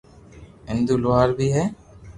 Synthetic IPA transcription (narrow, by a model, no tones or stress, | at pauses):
ɛnd̪uloɦaɾbiɦɛ